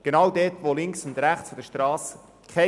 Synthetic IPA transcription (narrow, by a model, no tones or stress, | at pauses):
ɡ̥enɑːwdɛːtʋolɪŋksʊ̃ndɾæχt͡sfod̥əʃtrɑːsə | kʰχɛ